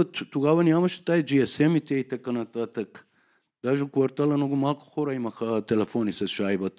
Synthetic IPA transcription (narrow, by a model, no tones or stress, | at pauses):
ot̪t̪uɡaʋɐniamɐʃi̥t̪ajd͡ʒiɛsɛmit̪ɛit̪akanat̪at̪ɐk | d̪̥aʒeukʋaɾt̪alanoɡumalko̥xoɾɐimɐxat̪ɛlɛfonisɐʃajbɐt̪